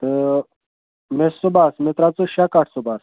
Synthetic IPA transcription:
ə | mɛsɔbasmɛt̪ʼɾat͡sʼɔʃakʼaɾʰsɔbas

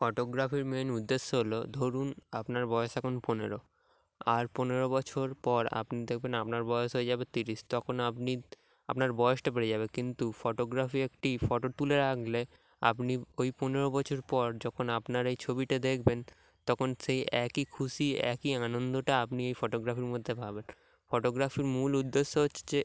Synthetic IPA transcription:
fɔʈoɡɾafiɾmenud̪ːeʃːoɦolod̪ʱoɾunapnaɾbɔeoʃɛkʰonponeɾo | aɾponeɾobɔt͡ɕʰoɾpɔɾa̰pnid̪ekʰbenapnaɾbɔeoʃɦoed͡ʑabet̪iɾiʃt̪ɔkʰonapni | apnaɾbɔeoʃʈapeɾed͡ʑabekint̪ufoʈoɡɾafiekʈifɔʈoʈuleɾakle | a̰pniojponeɾobɔt͡ɕʰoɾpɔɾd͡ʑɔkʰonapnaɾejt͡ɕʰobiʈad̪ekʰben | t̪ɔkʰonʃejɛkikʰuʃiɛ̰kianond̪oʈaapniejfoʈoɡɾafiɾmod̪ʱːebʱaben | foʈoɡɾafiɾmulud̪ːeʃːoɦotːʰe̥d͡ʑe

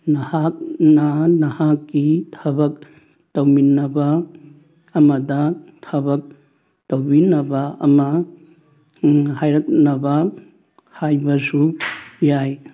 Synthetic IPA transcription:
nɐhak̚nɐnɐhakːitʰɐbɐk | tɐwminɐbɐː | mɐdɐtʰɐbɐk̚ | tɐwbinɐbɐɐ̰mɐ | hajɾɐk̚nɐbɐ | hajbɐsujaj

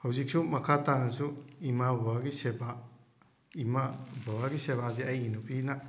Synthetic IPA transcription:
hawzik̚sumɐkʰatanɐsuimabɔaɡiseba | imabʱɔwaɡisebazeɐjinupina

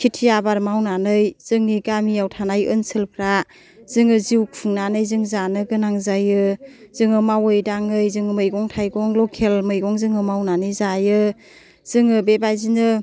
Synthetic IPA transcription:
kʰitʰijabaɾmawnanɯjz̥ɯŋniɡamijawtʰanajɯnsʰɯlpʰɾa | z̥ɯŋɯziwk̚pʰɯŋnanɯjzɯŋzanɯɡɯnaŋzajɯz̥ɯŋɯmawɯjdaŋɯjzɯŋɯmɯjɡɔŋtʰajɡɔŋlɔkʰelmɯjɡɔŋzɯŋɯmawnanɯjzajɯ | z̥ɯŋɯbebajzinɯ

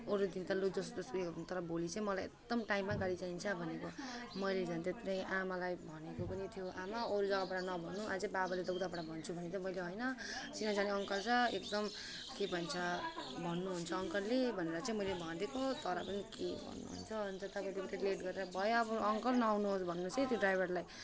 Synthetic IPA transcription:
oɾud̪int̪ʌlud͡zʌsʌsekt̪ʌɾʌbolit͡sãĩmʌlajek̚d̪ʌmʈaimːaɡaɽit͡saint͡sʰʌbʱʌnekomʌjled͡zʱʌnt̪et̪ɾʌ̃jʔamalajbʱʌnekopʌnit̪ʰijoʔamaoɾud͡zʌɡabʌɽanʌbʱʌnːuʔad͡zʌbabaled̪ʌwd̪apʌɽabʱʌnt͡sʰubʱʌnet̪ʌmʌjleɦojnʌt͡sinad͡zaniʌŋkʌrt͡sʰʌek̚d̪ʌm | kebʱʌnt͡sʰʌbʱʌnːuɦunt͡sʰʌːŋkʌrlebʱʌneɾʌt͡sãĩmʌjlebʱʌd̪ekot̪ʌɾʌpʌnikebʱʌ̰nːṵɦṵnt͡sʰʌnt͡sʰʌt̪ʌpãiliiɾeɽileʈɡʌɾeɾʌbʱʌjoːbʌʌŋkʌrnʌawnuɦosbʱʌnːusʌ̃jt̪joɖrajbʱʌrlaj

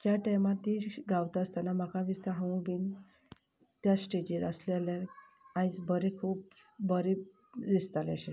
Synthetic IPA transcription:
kjaʈajmat̪iɡawt̪aəst̪anamakʰaʋist̪aɦãɡin | t̪jasʈed͡ʑiɾəslealjaɾ | ãit͡sbəɾekʰuːp | bəɾe | d̪ist̪aləɕe

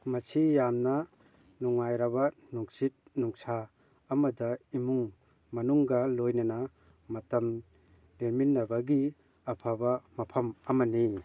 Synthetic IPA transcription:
mɐsijamnɐ | nuŋajɾabɐnuŋsit̚nuŋsaː | mɐdɐimuŋ | mɐnuŋɡɐlojnɐnɐ | mɐtɐm | leminːɐbɐɡi | ɐpʰabɐmɐpʰɐmɐmɐni

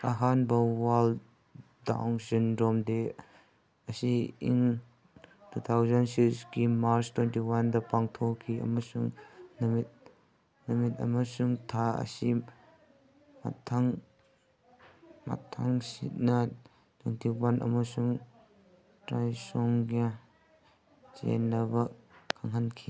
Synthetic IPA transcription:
ʔɐɦanbɐwal | da̰wŋsindɔmd̪e | ɐsiiŋ | tʰut̪ʰawzɐnsikskimaɾt͡ʃtwɛntiwɐnd̪ɐpaŋt̪ʰɔkʰiɐ̰mɐsuŋnɐmit̪̚ | nɐmit̪̚ɐ̰mɐsuŋtʰaɐ̰si | ma̰tʰːaŋ | ma̰tʰːaŋsḭt̚nɐ | tʰwentiwanʔɐ̰mɐsuŋ | tɾajsɔŋɡa | t͡ʃḛnːɐbɐkʰaŋɦankʰi

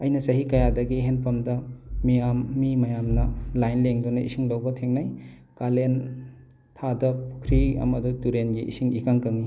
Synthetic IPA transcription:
ɐjnɐsɐɦikɐjadɐɡiɦenpʰɐmdɐmijamːimɐjamnɐlajnleŋdunɐʔḭsiŋdɐwbɐtʰeŋnaj | kalen | tʰadɐpʰu̥kʰɾiɐ̰mɐdutuɾenɡiḭsiŋikaŋkɐŋi

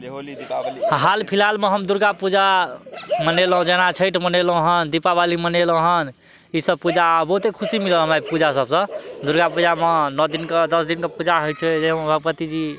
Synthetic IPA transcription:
ɦalpʰilalmeɦəmd̪uɾɡapud͡ʒa | mənelɦũd͡ʒenat͡ʃʰəjʈʰmənelɦũɦənd̪ipabaliməneləɦən | isəb̚pud͡ʒabəɦut̪ekʰusimileɦə̃mapud͡ʒasəbsə̃d̪uɾɡapud͡ʒamenɔd̪inkəd̪əsd̪inkepud͡ʒaɦojt͡ʃʰed͡ʒeɦmẽbʱəɡ̚pət̪id͡ʒi

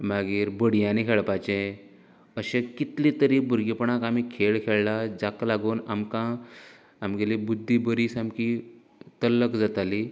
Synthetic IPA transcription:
maɡiːɾbəɽjãnikʰeɭpajt͡ɕẽ | əɕẽkit̪lit̪əɾiːbuɾɡipəɳakamikʰeɭkʰeɭlad͡zaklaɡuːnamkã | amɡelibud̪ʱːibəɾiːsamki | t̪ələkd͡zat̪ali

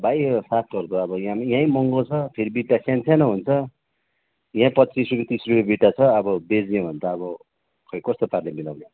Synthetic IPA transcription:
bajsat̪̚ʰɡʌrd̪oʌbʌjãmjãjmʌŋɡot͡sʰʌpʰeɾibiʈːasjant͡sʰanʌɦunt͡sʰʌ | jãpʌt͡sisrupet̪isrupebiʈːat͡sʰʌːbʌbed͡zẽbʱʌnt̪aːbʌ | kʰʌjkʌst̪oparlemilawne

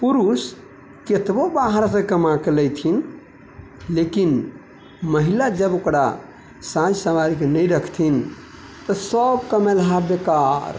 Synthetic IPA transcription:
puɾus | ket̪bobaɦəɾsə̃kəmakeləjt̪ʰin | lekin | məɦilad͡ʒəbokɾa̰ | sãd͡ʒsəmaɾikenəjɾəkʰt̪ʰin | t̪ɔsəbkəmelɦabekaɾ

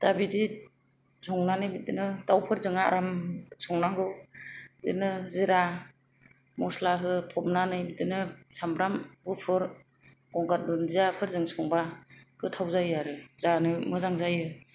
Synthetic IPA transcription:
tabidi | sʰɔŋnanɯjbidɯnɯtawpʰɯɾzɯŋa̰ɾamsʰɔŋnaŋɡɯwdḭnɯziɾa | mɔslaɦɯpʰɔmnanɯjbidɯnɯsamɾamɡupʰɯɾ | ɡ̥ɔŋɡaɾ̚dundiapʰɯɾzɯŋsʰɔŋbakɯtʰawzajɯaɾɯzanɯmɯzaŋzajɯ

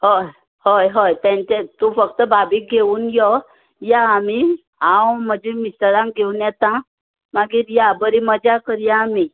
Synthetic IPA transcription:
hoj | hojɦojt̪ɛ̃ɲt͡ɕet̪ufəkt̪əbabiːk̚ɡʱeuːnjɔ | jaːmi | ãwm̤əd͡ʑẽmisəɾãŋk̚ɡʱewnjɛt̪ã | maɡiːɾjabəɾiməd͡ʑakəɾjaːmi

